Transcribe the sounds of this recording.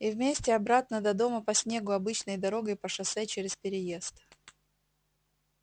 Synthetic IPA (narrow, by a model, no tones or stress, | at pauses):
ivmʲesʲtʲɪɐbɾat̪̚nəd̪ɐd̪o̞məpɐsʲnʲe̞ɡʊɐbɨt͡ɕnəjd̪ɐɾo̞ɡəjpəʂɐsɛt͡ɕeɾʲɪspʲɪɾʲɪjest̪